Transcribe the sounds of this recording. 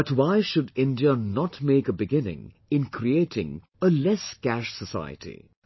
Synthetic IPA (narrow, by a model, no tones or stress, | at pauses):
bʌtwaɪʃʊdɪ̃ndiənɔtmeːkəbɪɡɪ̃nɪ̰̃ŋ | ɪ̃nkʰɾieːtʰɪ̃ŋ | əlɛskæʃsəsa̰ɪə̰tʰḭ